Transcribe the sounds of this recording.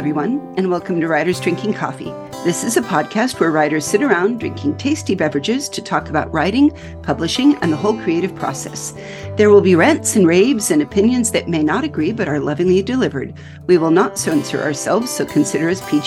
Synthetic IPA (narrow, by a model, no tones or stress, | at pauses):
vɹiwʌ̃nɨ̃nwɛlˠkɨ̃m̩tʰɨɹaɪɾə˞zdɹɪ̃ŋkɪ̃ŋkʰɔ̰fḭ | ðɪsɨzɨpʰɑd̚kʰæst̚wə˞ɹaɪɾə˞z̥sɪɾə˞ãʊ̃ndɹɪ̰̃ŋkʰɪ̃ŋtʰeɪstibɛvɹɨd͡ʒɪz̥tʰɨtʰɔkəbaʊʔ̚ɹaɪɾɪ̃ŋ | pʰʌblɨʃɪ̃ŋɨ̰̃nðəɦoʊlˠkʰɹ̥ieɪɾɨv̥pʰɹ̥ɔ̰sɛ̰s | ðə˞wɪlˠbiɹɛ̃ntsɨ̃n̩ɹeɪbzɨ̃nɨpʰɪ̃njɨ̃nzðɨt̚meɪnəɾɨɡɹibʌɾə˞lʌvɪ̃ŋlidɨlɪvə̰˞d̚ | wiwəlˠnətsoʊɨ̃nsə̰˞ʔə̰˞sɛ̰lˠvz̥soʊkʰɨ̃n̩sɪɾə˞ɨz̥pʰi